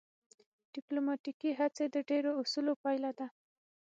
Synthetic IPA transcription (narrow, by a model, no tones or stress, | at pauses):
ɖ̥ɪplomɑʈikiɦat͡sed̪əɖeɾousulopɑjlad̪a